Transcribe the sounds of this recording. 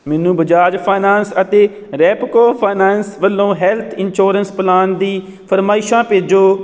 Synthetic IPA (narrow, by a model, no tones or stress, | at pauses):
mɛːnũːbəd͡ʒaːd͡ʒpʰaːnaːnsət̪eː | ɾɛːpkoːpʰaːnaːnsʋəlːõːɦɛːlt̪ʰɪnʃoːɾənsplaːnd̪iː | pʰəɾmaːɪʃãːpeːd͡ʒoː